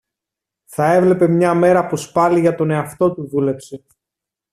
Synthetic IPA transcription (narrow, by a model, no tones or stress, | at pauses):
θɐe̞vle̞pe̞mɲɐme̞ɾɐpuspɐliʝɐt̪o̞ne̞ɐft̪o̞t̪uðule̞pse̞